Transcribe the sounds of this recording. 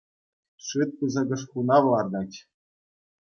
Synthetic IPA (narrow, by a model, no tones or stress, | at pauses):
ʂɯt̪̚kɤzɤ̆ɡɤ̆ʂxunɑʋlˠɑrd̪ɑtʲ